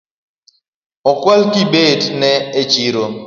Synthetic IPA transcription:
ɔkwalkibednɛet͡ʃiɾo

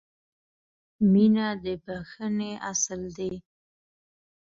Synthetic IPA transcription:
minad̪əbaxəneʔasəld̪e

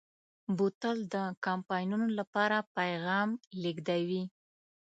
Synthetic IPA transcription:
but̪əld̪əkampɑjnunolapɑɾapajɣɑmliɡd̪awi

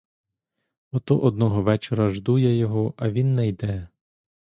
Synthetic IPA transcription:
ɔt̪ɔʔɔd̪nɔɦɔʋɛt͡ʃɔɾɐʒd̪ujɛjɔɦɔʔɐʋʲinːɛjd̪ɛ

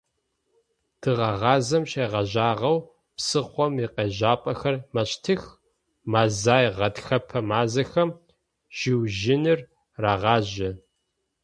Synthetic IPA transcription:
d̥ʰɨʁɑʁɑːzɐmɕeːʁɐʑaːʁɐw | psɨχʷɔmiqeːʑaːpʼɐxɐrmɐɕtʰɨx | maːzaːjʁɐtxɐpʰɐmaːzɐxɐm | ʒ̥iwʒɪnɨr | raːʁɑːʑɪ

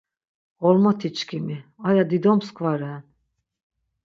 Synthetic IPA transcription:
ɔlmɔt̪ʰit͡ʃʰkʲʰimiajad̪id̪ɔmskʰvaɾɛn

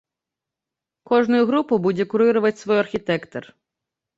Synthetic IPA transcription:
kɔʒnʊjʊɦɾupʊbudʲɛkʊɾɪɾʊʋɐtʲsʋɔjɐrxʲit̪ɛkt̪ɔr

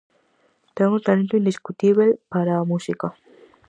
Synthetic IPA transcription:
t̪eŋɡunt̪alẽnt̪uind̪iskut̪iβelpaɾamusika

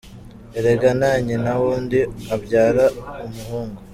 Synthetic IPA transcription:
eɾe̞ɡanaɲenawuːndiabɟaːɾaumuhuːŋɡu

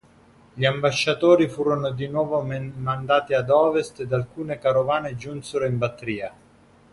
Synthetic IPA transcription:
ʎiambaʃːat̪oːɾifuːɾonʊd̪inwɔːvomand̪aːt̪iad̪ɔːvest̪ed̪alkuːnekaɾovaːned͡ʒunseɾoimbat̪ːɾiːa

